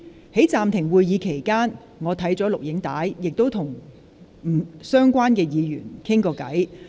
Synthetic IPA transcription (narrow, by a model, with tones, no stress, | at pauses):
he˨˥jt͡saː˨mt̪ʰɪ˨˩ŋwuː˨˧jjiː˨˧kʰe˨˩jkaː˥n | ŋɔː˨˧t̪ʰɐ˨˥jt͡sɔː˨˥lʊ˨k̚jɪ˨˥ŋt̪a̰ː˨˥jːɪ˨k̚t̪o˥wt̪ʰʊ˨˩ŋ | m̩˨˩sœː˥ŋkʷaː˥nkɛː˧jiː˨˧ɥyː˨˩nkʰɪ˥ŋkɔː˧kɐ̰˨˥j